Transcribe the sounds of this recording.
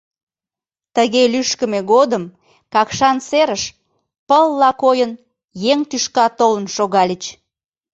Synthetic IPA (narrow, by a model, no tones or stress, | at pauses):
t̪əɣelyʃkəmeɣod̪əm | kɑkʃɑnseɾəʃ | pəlːɑkojən | jeŋt̪yʃkɑt̪olənʃoɣɑlʲit͡ɕ